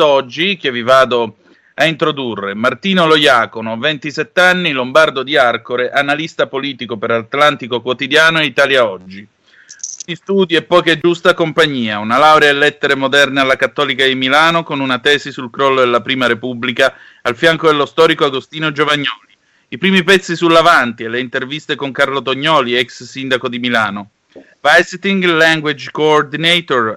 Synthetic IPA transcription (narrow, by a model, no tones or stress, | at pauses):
ɔd͡ʒːik̟evːivaːd̪o | aint̪ɾod̪urːemart̪iːnolojaːkonovent̪isɛt̪ːeanːilombard̪od̪iarkoɾeʔanalist̪apoliːt̪ikopeɾlat̪lant̪ikokwot̪id̪jaːnoeit̪aːljaɔd͡ʒːi | ist̪uːd̪iɛpːɔjkɛd͡ʒust̪akompaɲːiːaunalawɾeaelːɛt̪ːeɾemod̪ɛrnealːakat̪ːɔːlikad̪imilaːnokonunat̪ɛːsisulkɾɔlːod̪elapɾiːmaɾepubːlika | alfjaŋkod̪elːost̪ɔːɾikoaɡost̪iːnod͡ʒovaɲːɔːli | ipɾiːmipɛt̪sːisulːavant̪ieleint̪ervist̪ekoŋkarlot̪oɲːɔːliɛkssind̪akod̪imilaːno | vajst̪iŋɡlaŋɡwed͡ʒkoːrd̪inɛt̪or